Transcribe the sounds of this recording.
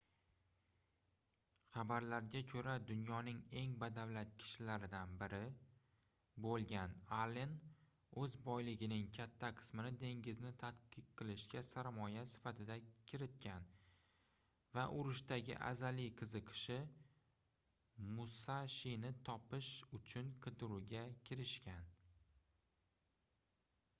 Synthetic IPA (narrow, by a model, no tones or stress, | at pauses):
χɑbaɾlaɾɡʲakʲʰɵɾad̪ʊnjɒnɪŋe̞ŋbad̪awlat̪̚kʲʰɪ̥ʃɪlaɾɪd̪anbɪɾɪ | bolˠɡʲanalen | ɵzbɒjlɪɡʲɪnɪŋkʲʰat̪ʰːaqʰɨ̥smɪnɪd̪e̞ŋɡʲɪznɪt̪ʰat̪qɨq̚qʰɨlˠɪʃɡʲasaɾmɒjasɪ̥fat̪ʰɪd̪akʲʰɪɾɪt̪̚kʲʰan | vaʔʊɾɪʃt̪aɡʲɪ̰ʔa̰zaliqʰɨzɨqʰɨ̥ʃɪ | mʊsaʃinɪt̪ʰɒpɪʃʊt͡ʃʰʊnqʰɨt̪ʊɾʊɡʲakʲʰɪɾɪʃkʲʰan